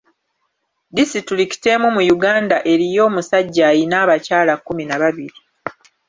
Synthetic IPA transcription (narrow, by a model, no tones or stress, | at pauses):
disituliki̥te̞mumujuɡaːndaʔe̞ɾijo̞ːmusaɟːajinaːβacaːlakːuminaβaβiɾi